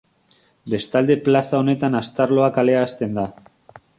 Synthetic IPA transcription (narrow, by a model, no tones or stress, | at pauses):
be̞st̪ald̪e̞plasao̞ne̞t̪anast̪aɾlo̞akale̞ast̪e̞nd̪a